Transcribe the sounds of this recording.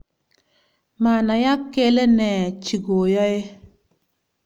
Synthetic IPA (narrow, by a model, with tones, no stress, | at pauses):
ma˨na˨ja˦kːe˦le˦ne˨t͡ʃi˨ɡo˨jɔ˦e˦